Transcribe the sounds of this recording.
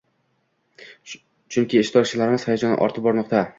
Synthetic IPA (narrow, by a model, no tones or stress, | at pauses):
t͡ʃʰʊŋkʲʰɪːʃt̪ʰɒɾkt͡ʃʰɪlaɾɪmɪz̥hajad͡ʒɒnɪ̰ʔɒ̰ɾt̪ʰɪp̚bɒɾnɒqt̪ʰa